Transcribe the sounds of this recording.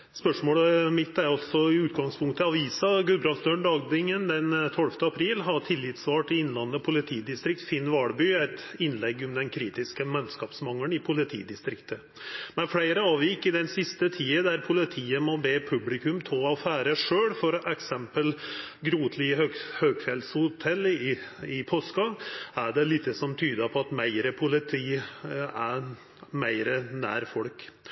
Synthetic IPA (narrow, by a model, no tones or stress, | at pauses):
spœʂmoːləmɪt̪ːæɾɑlsɔɪʉːt̪ɡɑŋspʰʊŋkt̪ɑʋiːsɑɡʉlbɾɑlsd̪øːɳɖ̪ɑːɡd̪ɪŋənd̪ɛnt̪ʰɔlft̪əɑpʰɾiːlɦɑʈʰɪlːɪt̪sʋɑːʈɪɪnlɑnːəpʰʊlɪt̪ʰiːd̪ɪst̪ɾɪk̚t̪fɪnːʋɑɽbyæɪt̪ɪnlɛɡːɔmd̪ɛnkʰɾiːt̪ɪskəmɛnskɑːpsmɑŋːəɳɪpʰʊlɪt̪ʰḭːd̪ɪst̪ɾɪkt̪ʰə | mɛnflæɪɾəɑːʋjɪɪkːɪd̪ɛnsɪst̪ət̪ʰiːəd̪æɾpʰʊlɪt̪ʰiːəmɔbeːpʰʉblɪkʉmt̪ʰəlɑfæːɾəʂøːɽfɔɾɔʔɛksɛmpəl | ɡɾuːt̪ʰlɪøhøːɡfɛlshʊt̪ʰɛlː | ɪpʰoːskɑæɖɛlɪt̪ːəsɔmt̪ʰyːd̪əpʰɔɑt̪mæɪɾəpʰʊlɪt̪ʰiːæ | mæɪɾənæ̰ːɾfɔlk